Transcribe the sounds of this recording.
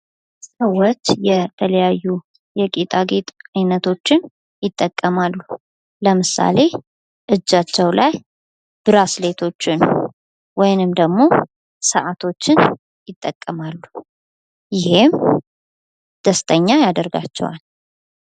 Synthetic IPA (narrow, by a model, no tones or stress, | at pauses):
səwːot͡ʃːjɛt̪ʰələjajːu | jɛkʼit̪ʼaɡet̪ʼajnət̪ʰo̞t͡ʃːɪn | jɪt̪ʼːəkʼːəmalːu | ləmɨsa̰le̞ | ʔɨd͡ʒːat͡ʃːɛwlaj | b̥ɨɾasle̞t̪ʰo̞t͡ʃːɪn | wɔjɪnɨmd̪əɡmo̞ | səʔat̪ʰo̞t͡ʃːɪn | jɪt̪ʼːəkʼːəmalːu | jɪhem | d̪̥əst̪ʼəɲːajad̪əɾɡa̰t͡ʃːɛ̰wa̰l